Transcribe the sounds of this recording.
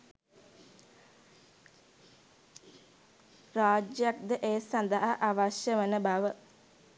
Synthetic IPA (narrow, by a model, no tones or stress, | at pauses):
ɾaːd͡ʒjak̚d̪əʔeːsɐnd̪aɦaʔːʋaʃjəʋənəbaʋə